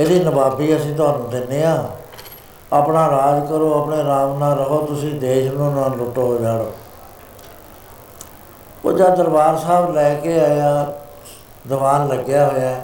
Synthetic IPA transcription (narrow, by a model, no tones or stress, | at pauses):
eːd̪iːnəbaːbiːəsĩːt̪̬ʊaːnũːd̪ɪnːeːãː | aːpnaːɾaːd͡ʒkəɾoːapɳeːɾaːmnãːɾəɦoːt̪ʊsĩːd̪eːʃnũːnãːlʊʈːoːɦoːd͡ʒaːɽoː | o̰ːd͡ʒaːd̪əɾbaːɾsaːblɛːkeːaːjaː | d̪əʋaːnləɡjaːɦoːjaː